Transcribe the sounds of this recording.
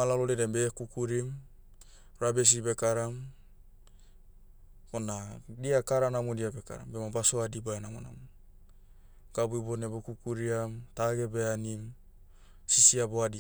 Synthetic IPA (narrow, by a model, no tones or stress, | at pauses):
alalodedembekukuɾim | ɾabes̬ibekaɾam | onadiakaɾanamodiabeka̰ɾa̰mbemabasoadibaenamo̰na̰mo | ɡ̥abuibonebokukuɾiamt̪aɡebeanim | sisiaboadi